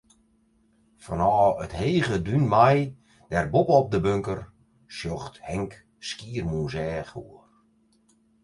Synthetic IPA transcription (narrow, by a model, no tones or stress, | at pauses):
fɔnɔːətheːɣədynmaj | d̥ɛrbopəɔp̚dəbøŋkər | sjoxthɛŋk | skiːrmuzɛːxuər